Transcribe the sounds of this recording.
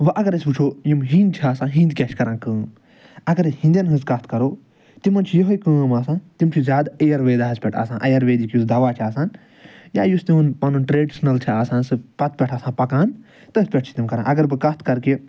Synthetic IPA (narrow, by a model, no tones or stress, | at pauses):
ʋɐʔɐɡɐɾɐsʲput͡ʃʰoːjimɦĩnd̪t͡ʃʰaːsãːɦĩnd̪kʲɐʃkɐɾãːnkə̃ː | ɐɡɐɾhĩnd̪ʲjɐnɦɨ̃zkɐst̪̚ʰkɐɾoː | t̪imɐnt͡ʃʰijɐɦoikəːmaːsãːt̪imt͡ʃʰizjaːd̪ɐjɐɾʋeːd̪aːɦɐzpʲɛʈʰa̰ːsãːʔɐjɐɾʋeːd̪ikjusd̪ɐʋaːt͡ʃʰaːsaːn | ja̰ːjust̪imɐnpɐnunʈɾeːɖisnɐlt͡ʃʰiaːsãːnsɨpɐt̪̚pʲɛʈʰaːsãːpɐkãːn | t̪ɐspʲɛʈ̚ʰt͡ʃʰi̥t̪imkɐɾãːʔɐɡɐɾbɨkɐst̪ʰkɐɾke